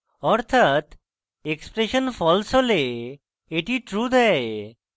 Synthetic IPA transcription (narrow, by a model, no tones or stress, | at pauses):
ɔɾt̪ʰat̪ | ekspɾeʃonfʰɔlsole | eʈiʈɾud̪ɛ